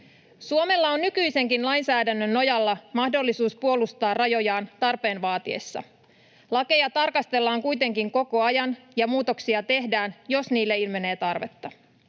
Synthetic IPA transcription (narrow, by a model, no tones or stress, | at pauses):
suome̞lːɑo̞nːykyjse̞ŋkinlɑjnsæːdænːønːo̞jɑlːɑmɑhdo̞lːisuːspuo̞lust̪ɑːrɑjo̞jɑːnt̪ɑrpe̞ːnʋɑːt̪iḛsːɑ̰ | lɑke̞jɑt̪ɑrkɑst̪e̞lːɑːŋkujt̪e̞ŋkiŋko̞ko̞ɑjɑnjɑmuːt̪o̞ksiɑt̪e̞ɦdæːnjo̞sniːlːeilme̞ne̞ːt̪ɑrʋe̞t̪ːɑ